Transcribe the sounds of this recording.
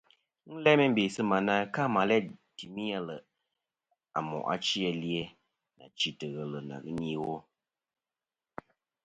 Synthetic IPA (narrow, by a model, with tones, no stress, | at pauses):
n̩˦lɛ˦mɛ˦m̩˦be˨sɨ˦ma˨na˦ka˦ma˨lɛ˦ti˨mi˦jɛ˦lə˨ | a̰˨mɔ̰˨ʔa̰˦t͡ʃi˦ɛ˨li˦ɛ˦ | na̰˨t͡ʃi˨tə˨ɣə˨lə˨na̰˨ɣɨ˦ni˦wo˦